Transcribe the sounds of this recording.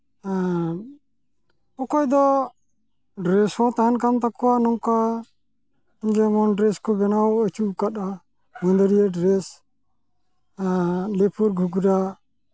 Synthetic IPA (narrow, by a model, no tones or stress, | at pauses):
ɔkɔjd̪ɔ | ɖɾɛsɔt̪aɦankamt̪akɔwanɔŋka | id͡ʒɛmɔnɖɾɛskɔɡɛnawət͡ʃukat̪a | mənd̪əɾijeɖɾɛs | lepʰuɾɡʱuɡuɾa